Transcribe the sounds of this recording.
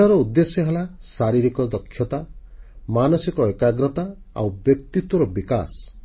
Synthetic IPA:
ɔɾɔud̪ːesjɔɦelasaɾiɾikɔd̪ɔkʰːjɔt̪amanɔsikɔekaɡɾɔt̪a | a̰wbjɔkt̪it̪wɔɾɔbika̰s

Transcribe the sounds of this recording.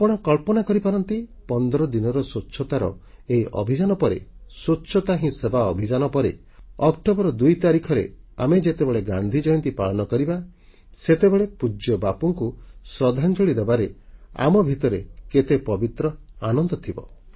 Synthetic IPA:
apɔɽ̃ɔkɔɭpɔnakɔɾipaɾɔnt̪ipɔnd̪ɔɾɔd̪inɔɾɔsotːʃʰɔt̪aɾɔ | eiʔɔ̰bʱid͡ʒanɔpɔɾḛsotːʃʰɔt̪aɦĩsebaɔbʱid͡ʒanɔpɔɾe | ɔk̚ʈɔbɔɾɔd̪ujt̪aɾikʰɔɾḛa̰med͡ʒet̪ebeɭeɡand̪ʱid͡ʒɔjɔnt̪ipaɭɔnɔkɔɾiba | set̪ebeɭepud͡ʒɔbapuŋkusɾɔd̪ʱant͡ʃoɽid̪ebaɾea̰mɔbʱit̪ɔɾḛket̪epɔbit̪ɾɔanɔnd̪ɔt̪ʰibɔ̰

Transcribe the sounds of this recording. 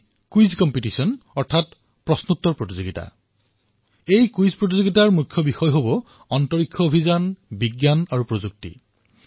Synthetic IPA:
kujzkɔmpitisiɔnɔɹtʰat | pɹɔsnut̪ːɔɹpɹotizoɡita̰ | ejkujzpɹot̬izoɡitaɹmukʰːjɔbixɔjɦobɔ | ɔntɔɹikʰːjɔobʱizanbiɡjanaɹupɹozuk̚tḭ

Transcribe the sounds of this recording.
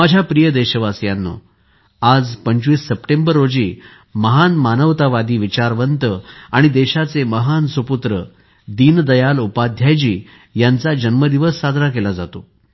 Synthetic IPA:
mad͡ʑʱjapɾijəd̪eɕəʋasjanːo̰ | ad͡zpəɲt͡ɕʋiːsːəpʈẽmbəɾːod͡ʑiː | məɦanmanəʋt̪aʋad̪iːʋit͡ɕaɾʋənt̪əaɽ̃id̪eɕat͡seməɦansʋəput̪ɾə | d̪iːnd̪əjalupad̪ʱjajd͡ʑiː | jant͡sad͡ʑənməd̪iʋəsːad̪ʱnakelad͡zat̪o

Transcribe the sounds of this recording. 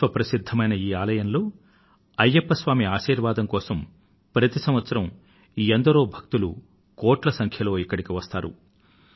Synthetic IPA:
ʋɐpɾɐsid̪ʱːɐmɐjnɐiːaːlɐjɐnlo̞ː | ɐjːɐpːɐsʋaːmiaːʃiːɾʋaːd̪ɐmkɔːsɐm | pɾɐt̪isɐmʋɐt̪sɐɾɐm | iend̪ɐɾo̞ːbʱɐk̚t̪ulṵ | koːʈlɐsɐŋkʰjɐlo̞ːikːɐɽikiʋɐst̪aːɾṵ

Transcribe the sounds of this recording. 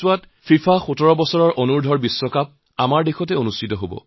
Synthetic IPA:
wat | pʰifʰaxutɔɹɔbɔsɔɹɔɹʔonuɹdʱɔɹbisːɔkap̚ | amaɹdexɔt̬ɛonustʰitɔɦobɔ̰

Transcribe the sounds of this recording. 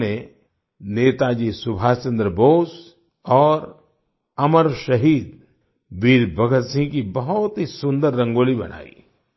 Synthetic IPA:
ne | neːt̪ad͡ʒiːsʊbʱaːst͡ʃə̃nd̪ɾəboːs | ɔːɾ | ɐməɾʃɐɦiːd̪ | biːɾbɐɡət̪sɪ̃ŋkibɐɦʊt̪ɦisʊ̃nd̪əɾːɐ̃ŋɡoːlibɐ̰n̤a̰ːḭ

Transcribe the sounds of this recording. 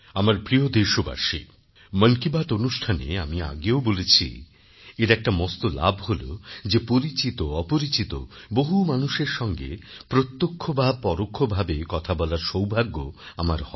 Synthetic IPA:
amaɾpɾiod̪eʃoba̰ʃḭ | mənkibaʈonuʃʈʰanḛamia̰ɡeobolet͡ɕʰḭ | eɾɛk̚ʈamɔst̪ola̰bʱɦolo̰d͡ʑepoɾit͡ɕit̪oɔpoɾit͡ɕit̪o̰boɦumanuʃeɾʃɔŋɡḛpɾot̪ːokʰːobapɔɾokʰːobʱabekɔt̪ʰabɔlaɾʃowbʱaɡːoamaɾhɔ

